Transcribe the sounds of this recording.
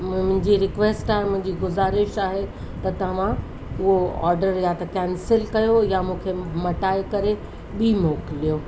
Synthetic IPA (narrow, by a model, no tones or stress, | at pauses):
mʊ̃ɪ̃ɲd͡ʑiɾɪkʋeːsʈaːɦemʊ̃ɦɪ̃ɲd͡ʑiɡʊzaːɾɪʃaːɦe | t̪ɐt̪ɐʋ̤ã | ʊɦoɔ̰ːɾɖəɾjat̪ɐkɛːnsɪlkɐjojamũːkʰemɐʈaːekɐɾe | ɓimoːklijoː